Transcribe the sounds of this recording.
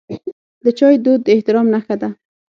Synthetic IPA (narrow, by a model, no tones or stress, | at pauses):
d̪ət͡ʃɒjd̪od̪ːeht̪ɪɾɔmnaxad̪a